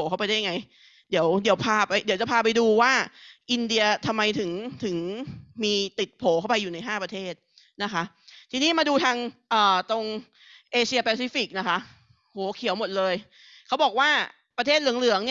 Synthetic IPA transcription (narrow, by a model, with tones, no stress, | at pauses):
oː˨˦ka˥˩wpa˧jda˥˩ja˧ŋa˧j | di˨˩˦əwdi˩˦əwpʰaː˧pa˧jdi˨˦wt͡ɕa˨˩pʰaː˧pa˧jduː˧waː˥˩ʔi˧ndi˧ɐt̪ʰa˧mːa˧jt̪ʰɯ˩˦ŋt̪ʰɯ˩˦ŋmiː˧t̪i˨˩t̪̚pʰoː˩˦kʰa˥˩wpa˧jːuː˨˩na˧jɦaː˥˩pɾa˧t̪ʰeː˥˩t̪̚ | na˦˥kʰa˦˥ʔt̪ʰiː˧niː˦˥˩maː˧duː˧t̪ʰaː˧ŋʔɤː˨˩t̪o˧ŋ | ʔeː˧si˧ɐpɛː˧siː˦˥fi˨˩k̚na˦˥kʰa˦˥ʔ | hoː˩˦kʰi˨˩˦əwmo˨˩t̪̚lɤː˧j | kʰa˦˥wbɔː˨˩k̚waː˥˩ | pɾa˧t̪ʰeː˥˩t̪̚lɯ˩˦əŋlɯ˩˦əŋni˥˩